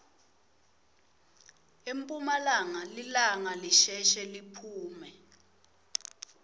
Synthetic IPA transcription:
empʼumalaŋalilaŋaliʃɛʃɛlipʰuːmɛ

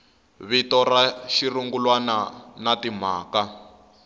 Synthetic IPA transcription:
βitɔraʃiruŋɡulwananatim̤aːka

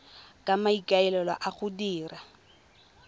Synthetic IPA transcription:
kʼamaikʼaɛlɛlwa̰ʔaχʊdiːra

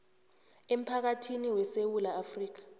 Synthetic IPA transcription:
em̩pʰak̬atʰiniwɛsewulaːfriːk̬ḁ

